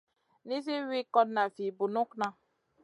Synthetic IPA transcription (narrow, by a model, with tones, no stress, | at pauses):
ni˦se˦wi˦kɔ˦tna˨fi˨bu˨nũ˦knã˧